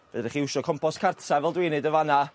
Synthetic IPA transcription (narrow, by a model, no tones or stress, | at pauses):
v̥ədəχiːɪwʃɔkʰɔmpʰɔskʰartʰavɛlˠdwenɨdəvana